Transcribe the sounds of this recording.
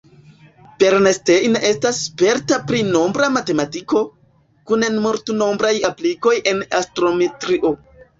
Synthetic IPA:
pe̞ɾneste̞jnʔe̞stasːpe̞ɾtapɾino̞mbɾamate̞matiko̞ | kunenmuɾtuno̞mbɾajapliko̞jʔe̞nastɾo̞metɾiʔo̞

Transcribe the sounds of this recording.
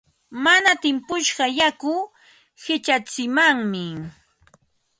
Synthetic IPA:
manat̪ɪmpʊʃɢɑjakʊ | hɪt͡ʃat͡sɪmaŋmɪ

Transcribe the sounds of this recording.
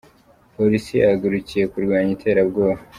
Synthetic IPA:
po̞ɾisijaɡuɾucije̞kuɾɡwaːɲitʰe̞ːɾabɡo̞ːβa

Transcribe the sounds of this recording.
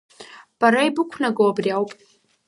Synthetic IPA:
b̥aɾaibɨkʷʰnaɡoabriawpʼ

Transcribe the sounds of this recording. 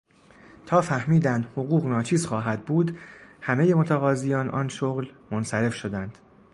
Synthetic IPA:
t̪ʰɒːfæhmiːd̪ænd̪hoɣuːɣnɒːt͡ʃʰiːzxɒːɦæd̪̚buːd̪hæmejemo̞t̪ʰæɣɒːzijɒːnʔɒːnʃoɣlmonsæɾe̞fʃo̞d̪ænd̪̥

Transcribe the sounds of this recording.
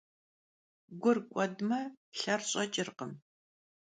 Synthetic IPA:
ɡʷʊrkʷʼɔdmɐɬɐrɕʼɐt͡ʃʼɪrqəm

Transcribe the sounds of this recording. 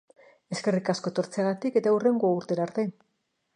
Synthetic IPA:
e̞ske̞rikasko̞t̪o̞ɾt͡seaɣat̪ike̞t̪aure̞ŋɡoauɾt̪e̞ɾaːɾt̪e̞

